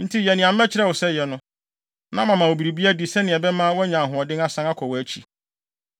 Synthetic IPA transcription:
n̩˦tʰi˦jɛ˨nɪ̃˨ã˨m̩˦mɛ˦t͡ɕʰɪ˦ɾɛ˦˨wɔ˨sɛ˦jɛ˨nʊ̃˦ | nã˦mã˨mã˨o˨bi˨ɾi˨bi˦æ˦di˨sɛ˦nɪ̃˨ɛ˨bɛ˦mã˦wɛ˦ɲã˨ŋ˨ɦʊ̃˨ɔ˨dɪ˦a˦sã˦ŋa˦kʰɔ˨wɔ˨æ˦t͡ɕʰi˨

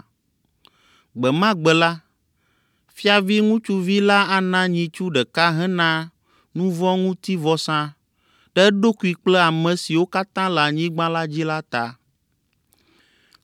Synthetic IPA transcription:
ɡ͡bɛ˨mã˦ɡ͡bɛ˨la˦ | fi˦a˨vi˦ŋũ˦t͡ʃu˦vi˦la˦a˦nã˦ɲĩ˨t͡ʃu˦ɖɛ˨ka˦ɦɛ̃˦nã˦ | nũ˦vɔ̃˦ŋũ˦t̪i˦vɔ˦sã˦ | ɖɛ˦ɖo˦ku˨i˨k͡plɛ˦a˨mɛ̃˨si˨wo˦ka˦t̪ã˦la˨ɲĩ˦ɡ͡bã˦la˦d͡ʑi˦la˦t̪a˨

